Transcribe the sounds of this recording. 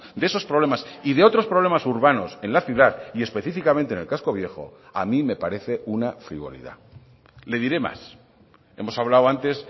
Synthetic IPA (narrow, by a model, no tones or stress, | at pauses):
d̪ee̞so̞spɾoβlemasiðe̞o̞t̪ɾo̞spɾoβ̞le̞masuɾβano̞se̞nlaθjuðaðie̞spe̞θifikamẽnt̪ene̞lkasko̞βje̞xo̞̰a̰mĩme̞paɾe̞θe̞unafɾiβo̞̰lḭða̰ | le̞ðiɾe̞ma̰s | e̞̰mo̞saβlawant̪e̞s